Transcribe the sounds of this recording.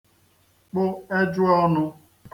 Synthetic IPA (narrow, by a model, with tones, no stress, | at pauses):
k͡pʊ˦e˦d͡ʒʊ˦ɔ˦nʊ˦